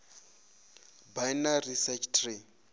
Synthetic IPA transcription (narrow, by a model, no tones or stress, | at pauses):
bajnarisɛt͡ʃʰtʰre